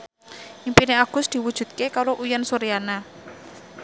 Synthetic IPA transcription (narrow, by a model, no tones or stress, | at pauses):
ʔimpineaɡ̥ʊ̤sd̪̥i̤wud̥ʒ̥ṳt̪̚kekaɾoʔujənsuɾiana